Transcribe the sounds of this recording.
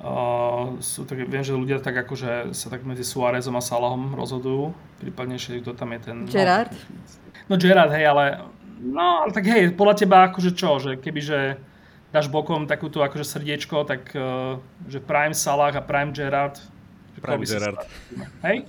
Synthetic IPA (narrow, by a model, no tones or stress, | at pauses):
sṵːt̪akɛʋɪɛmʒɛluɟɪat̪aɡakɔʒɛsat̪aɡmɛd͡zisuaɾɛzɔmasalaɦɔmɾɔ̰zɦɔd̪ujuː | pɾḭːpad̪ɲɛʃɛt̪k̚t̪ɔt̪amjɛt̪ɛnd͡ʒɛɾaɾt̪ | nɔd͡ʒɛɾaɾd̪ɦɛjalɛnɔalɛt̪aɡɦɛjpɔd̪lacɛbaakɔʒɛt͡ʃɔʒɛkɛbiʒɛ | d̪aːʒbɔkɔmt̪akuːt̪uakɔʒɛsr̩ɟɪɛt͡ʃkɔt̪akː | ʒɛfpɾajimsalaːɣapɾajimd͡ʒɛɾaɾt̪ | aɛɾt̪ɦɛj